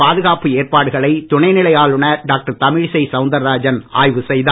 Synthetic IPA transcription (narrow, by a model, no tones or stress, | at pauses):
aːðɯɣaːpɯeːrpaːɽɯɣɐɭɐɪt̪ʊɳɐɪnɪlɐjaːɭɯɳɐɖaːk̚ʈɐɾt̪ɐmɪɻsɐɪsɐʊnd̪ɐɾːaːd͡ʒɐnaːjʋɯsɛjðaː